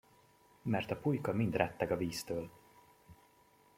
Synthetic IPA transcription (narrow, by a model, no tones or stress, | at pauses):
mɛrt̪ɒpujkɒmind̪rɛt̪ːɛkɒviːst̪øːl